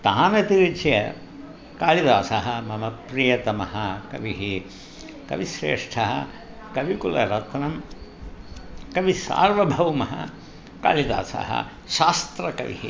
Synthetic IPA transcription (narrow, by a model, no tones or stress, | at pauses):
t̪aːnɐt̪iɾit͡ʃjɐ̰ | kaːɭid̪aːsɐɦɐmɐmɐpɾijɐt̪ɐmɐɦɐkɐ̰ʋiɦi | kɐ̰ʋisɾḛːʂʈʰɐɦɐ̰ | kɐʋikulɐ̰ɾɐt̪nɐm | kɐʋisa̰ːɾʋɐbʱɐwmɐɦɐ̰ | ka̰ːɭid̪a̰ːsɐ̰ɦɐ̰ | ʃaːst̪ɾɐkɐ̰ʋḭɦi